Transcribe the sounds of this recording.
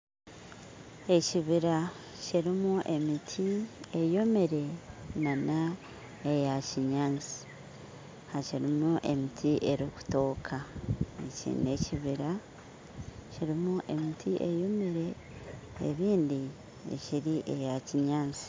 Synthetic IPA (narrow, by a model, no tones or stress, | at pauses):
e̞ciβiɾa | ciɾimuʔe̞mitʰie̞jo̞meɾe̞nana | ejaciɲaːnt͡si̥ | haciɾimuʔe̞mitʰiʔe̞ɾiku̥to̞ːkʰaecḭːne̞ciβiɾa | ciɾimuʔe̞mitʰiʔejo̞meɾe̞̰ː | βiːndi | ḛciɾiʔe̞jaciɲaːnt͡si̥